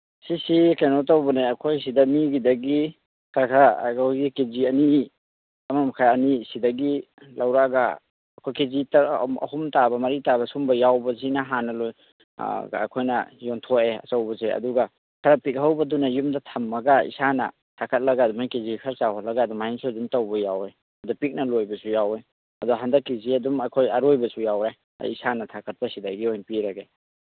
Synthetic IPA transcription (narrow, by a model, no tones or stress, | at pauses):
sisikenotawbɐneɐkʰojsidɐmiɡidɐɡi | kʰakʰa̰kʰojɡikeziɐni | ɐmamakʰajɐnisidɐɡi | lawɾaɡa̰ː | kʰojkezitaɐ̰humtabɐmɐɾitabɐsumbɐjawbɐzinaɦanɐloj̰ | a̰kʰojnɐ̰jontʰoeɐ̰t͡ʃɐwbɐzeɐ̰duɡɐ | kʰɐɾɐpik̚ɦawbɐdunɐjumdɐtʰɐmːɐɡaḭsanɐ̰ | tʰakʰɐt̚lɐɡaːdumajkizikʰɐɾsawhɔlɐɡaːdumajinsudumtɐwbɐjawe | ɐdɔpik̚nɐlojbɐsujawe | ɐduɦandɐkːiziɐdumɐkʰojɐɾojbɐsujawɾaj̰ | isanɐtʰakʰɐt̚pɐsidajɡiojnpiɾɐɡe